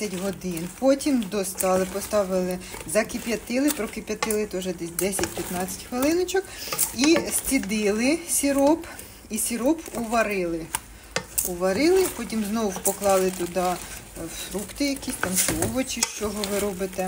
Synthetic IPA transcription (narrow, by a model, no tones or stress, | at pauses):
ɐtʲɦɔd̪ɪnpɔtʲimd̪ɔst̪ɑlˠɪpɔst̪ɑʋɪlˠɪzɐkɪpʲjɐt̪ɪlˠɪpɾɔkɪpʲjɐt̪ɪlˠɪt̪ɔʒɛd̪ɛsʲd̪ɛsʲɐt̚ʲpʲjɐt̪nɑt͡sʲɐ̥tʲxʋɪlˠɪnɔt͡ʃɔkisʲt͡sʲid̪ɪlˠɪsʲiɾɔp | isʲiɾɔpʊʋɐɾɪlˠɪ | ʊʋɐɾɪlˠɪpɔtʲimznɔwpɔklˠɑlˠɪt̪ʊd̪ɑ | fɾukt̪ɪjɐkisʲt̪ɐmʃɔʋɔt͡ʃiʃt͡ʃɔɦɔʋɪɾɔbɪt̪ɛ